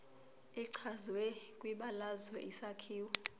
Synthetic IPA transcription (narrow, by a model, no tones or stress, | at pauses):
iǀʰazwɛkʼwiɓalazwɛʔisakʰiːwɔ